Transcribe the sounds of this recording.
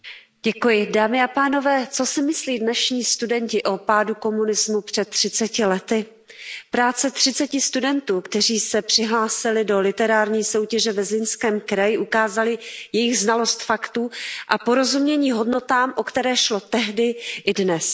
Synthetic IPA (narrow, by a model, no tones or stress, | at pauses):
ɟɛkujɪdaːmɪapaːno̞vɛːt͡so̞sɪmɪsliːdnɛʃɲiːst̪udɛɲcɪʔo̞paːduko̞munɪzmupr̝̥ɛt̪ːr̝̥ɪt͡sɛcɪlɛt̪ɪ | pɾaːt͡sɛt̪r̝̥ɪt͡sɛcɪst̪udɛnt̪uːkt̪ɛriːsɛpr̝̥ɪɦlaːsɪlɪdo̞lɪt̪ɛɾaːɾɲiːso̞wcɛʒɛvɛzɪnskɛːmkɾajɪʔukaːzalɪjɛjɪɣznalo̞st̪fakt̪uːʔapoɾo̞zumɲɛɲiːɦo̞dno̞t̪aːmʔokt̪ɛɾɛːʃlo̞t̪ɛɦdɪʔɪdnɛs